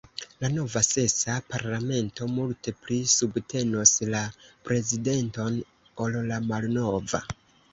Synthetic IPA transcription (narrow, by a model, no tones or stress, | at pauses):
lano̞vase̞sapaɾlame̞nto̞multe̞plisubtʰe̞no̞slapɾe̞zide̞nto̞n | olːamalno̞va̰